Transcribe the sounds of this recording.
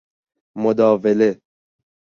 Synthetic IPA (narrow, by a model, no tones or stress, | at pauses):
mod̪ɒːvele